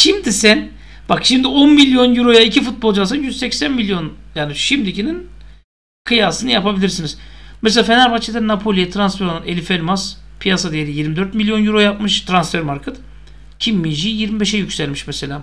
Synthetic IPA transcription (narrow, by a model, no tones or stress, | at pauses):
ʃimd̪isæn | b̥akʃimd̪io̞nmilʲjo̞njuɾo̞jaicʰifut̪̚bo̞lˠd͡ʒalˠsanjyzsɛcsænmilʲjo̞njaːniʃimd̪icinin | kʰɯjaːsɯnɯjapabilʲiɾsiniz̥meselʲaːfenæɾbat͡ʃʰid̪ɛnapʰolʲijɛt̪ʰɾansfeɾonanelʲifelʲmaspʰijasad̪ijeɾijiɾmid̪øɾt̪milʲjo̞njyɾo̞jap̚mɯʃt̪ʰɾansfɛɾmaɾkʰat̪ɯ | cʰimːiʒijiɾmibeʃɛjycʲsælʲmiʃmɛse̞lʲaː